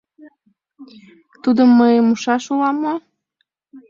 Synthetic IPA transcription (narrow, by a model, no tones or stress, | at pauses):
t̪ud̪əmːəjəmuʃɑʃulɑmuɑ